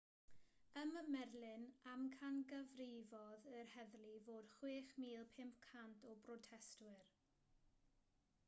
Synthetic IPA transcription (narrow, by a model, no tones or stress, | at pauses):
əməmɛrlˠɪnamkʰanɡəvrɪvɔðərhɛðlˠivoːd̥χweːχmiːlˠpʰɪmp̚kʰantʰɔbrɔtʰɛstwɨr